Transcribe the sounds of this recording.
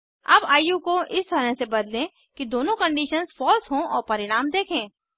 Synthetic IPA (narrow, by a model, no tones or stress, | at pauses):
ɐ̰baːjukoʔɪst̪ɐɾə̃ɦsebɐd̪lẽ | kid̪oːnõkɐ̃ɳɖiːʃənzfɔːlsɦõɔːɾpɐɾɪɽ̃aːmd̪eːkʰẽː